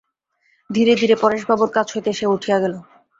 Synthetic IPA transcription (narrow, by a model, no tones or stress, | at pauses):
d̪ʱiɾed̪ʱiɾepɔɾeʃbʱaboɾkat͡ɕʰɦojt̪eeʃeuʈʰijaɡɛlo